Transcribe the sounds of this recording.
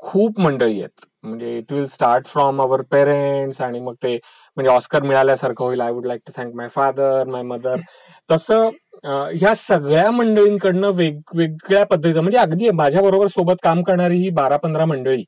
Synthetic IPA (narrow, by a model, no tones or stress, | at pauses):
kʰuːpməɳɖəɭijḛt̪ | m̤əɳd͡zeiʈʋilsʈaɾʈfɾɔmaʋəɾpeɾeɳʈsaɽ̃iməɡ̚t̪e | m̤əɳd͡zeɔskəɾmiɭaljasəɾkʰəɦoilajʋuɖlajk̚ʈut̪ʰɛ̃ŋkmajfad̪əɾmajməd̪əɾ | t̪əsəː | ɦjasəɡɭjaməɳɖəɭiːŋkəɽnəʋeɡʋeɡɭjapəd̪ʱːət̪it͡səm̤əɳd͡zeəɡd̪iːjemad͡ʑʱjabəɾobəɾsobət̪kamkəɾɳaɾiɦiːbaɾapənd̪ɾaməɳɖəɭiː